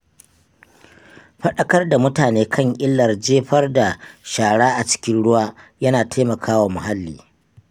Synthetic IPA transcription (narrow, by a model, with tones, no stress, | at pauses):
ɸɐ˦ɗɐ˦kɐ˦rda˨mʊ˦taː˨neː˦kʰɐ˦˨ŋʔʼɪ˦lːɐ˨rd͡ʒeː˦ɸɐ˦rda˨ʃaː˨ɽaː˦ʔa˨t͡ʃɪ̥˦kʲɪ˦nɽʊ˦waː˦jɐ˦naː˨tʰa˦mɐ˨kʰaː˦waː˨mʊ˨ɦa˦lːḭː˦